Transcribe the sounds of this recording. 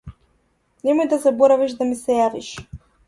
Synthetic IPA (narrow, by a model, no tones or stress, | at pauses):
nɛmɔjd̪azabɔɾaviʃd̪amisɛjaviʃ